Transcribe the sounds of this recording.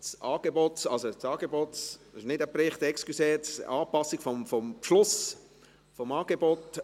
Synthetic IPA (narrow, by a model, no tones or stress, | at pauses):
sʔɑːɡ̥ebotɑlsosɑːɡ̥ebotɪʃnɪdəpɾɪχtɛkskyseːtsɑːpɑsɪɡ̥fɔmfɔmpʃlʊs | fɔmɑːɡ̥ebot